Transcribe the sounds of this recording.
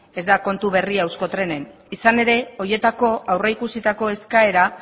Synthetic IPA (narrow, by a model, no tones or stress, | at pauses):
e̞zd̪ako̞nt̪uβe̞riawsko̞t̪ɾe̞ne̞n | isane̞ɾe̞o̞je̞t̪ako̞awreikusit̪ako̞e̞skae̞ɾa